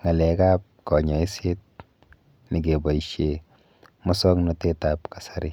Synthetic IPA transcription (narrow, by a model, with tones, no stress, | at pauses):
ŋa˨lɛ˨˦kaː˦p̚kɔ˨ɲɔ˨i˦se˦t̚ | ni˨ɡe˨bɔ˨iʃe˨ | mɔ˦sɔ˦ŋnɔ˦te˦tapkḁ˨sa˦ɾi˦